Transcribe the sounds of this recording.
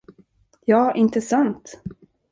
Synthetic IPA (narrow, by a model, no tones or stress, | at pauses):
jɑːʔɪnt̪əsant̪